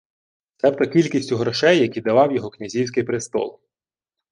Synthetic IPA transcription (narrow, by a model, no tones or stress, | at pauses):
t̪sɛpt̪ɐkʲilʲkʲisʲtʲʊɦɾɔʃɛjːɐkʲid̪ɐʋɑwjɔɦɔknʲɐzʲiwsʲkɪjpɾɪst̪ɔ̰lˠ